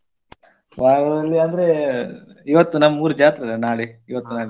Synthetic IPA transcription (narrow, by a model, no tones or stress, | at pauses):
ʋaːɡɐlːiɐnd̪ɐɾe | iʋɐt̪ːunɐmːɐuːɾud͡ʒaːt̪ɾɐɐnaːɭiiʋɐt̪ːunaːɭi